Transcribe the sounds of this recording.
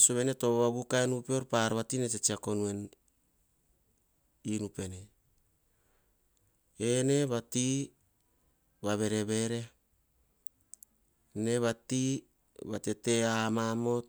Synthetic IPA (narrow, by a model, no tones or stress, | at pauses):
soβene̞to̞ββaβukaenupeoɾpaɾβatinetet͡ʃiako̞nue̞n | inupe̞ne | ene̞βati | βaβe̞ɾeβe̞ɾe̞ | ne̞βati | βatete̞amamo̞t̚